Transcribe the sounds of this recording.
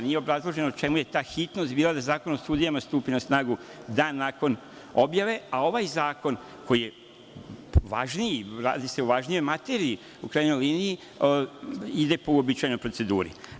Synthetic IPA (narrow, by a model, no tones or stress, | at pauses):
nije̞obɾazlˠo̞ʒe̞not͡ʃe̞muje̞t̪aːxit̪no̞st̪biːlˠad̪azaːko̞nost̪uːd̪ijamast̪uːpinasnaːɡud̪aːnːaːko̞n | o̞bjaʋe̞ao̞ʋajzaːko̞n | ko̞jije̞ | ʋaʒniiɾaːd̪ise̞uʋaʒnijo̞jmat̪eɾiː | ukɾajenojliːnii | id̪e̞puobit͡ʃajnojpɾo̞t̪se̞d̪uːɾḭ